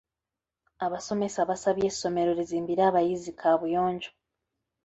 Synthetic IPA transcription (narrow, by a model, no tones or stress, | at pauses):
aβaso̞me̞saβasaβje̞ːso̞me̞ɾo̞ɾiziːmbiɾaːβajizikʰaβujo̞ːɲɟo